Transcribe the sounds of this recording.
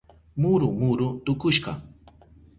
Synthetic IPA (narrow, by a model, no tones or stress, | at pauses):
mʊɾʊmʊɾʊt̪ʊkʊʃɢɑ̰